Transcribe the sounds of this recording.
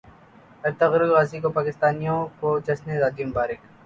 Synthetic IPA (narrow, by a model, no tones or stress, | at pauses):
ɐɾt̪ɐɣɾɪlɣaːzikopaːkɪst̪aːnijõkod͡ʒɐsnezaːd̪ijombaːɾɪk